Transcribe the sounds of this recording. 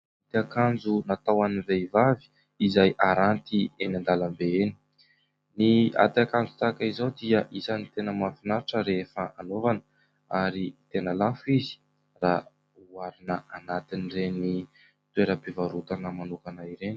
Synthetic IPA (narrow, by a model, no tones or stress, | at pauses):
at̪iakand͡zunat̪awanivevavi̥ | izajʔaɾant̪ienand̪aləmbeeni̥ | nia̰t̪akand͡zut̪akaizowd̪iəʔisanit̪enəmafinaɾiʈ͡ʂəɾefəanovanə | aɾit̪enəlafizi̥ | ra | uaɾinəʔanat̪inireni | t̪ueɾəbevaɾut̪anəmanukanaiɾeni̥